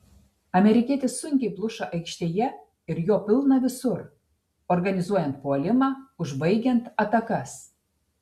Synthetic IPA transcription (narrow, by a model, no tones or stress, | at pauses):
ɑmʲeɾʲikʲet̪ʲesuŋʲkʲeplˠuʃɑʔəjkʃt̪ʲejæ | irjopɨlˠnɑβʲɘsur | orɣɑnʲizuɔjɛnt̪̚poɑlʲɪmɑuʒbəjɡʲent̪ɑt̪ɑkɑs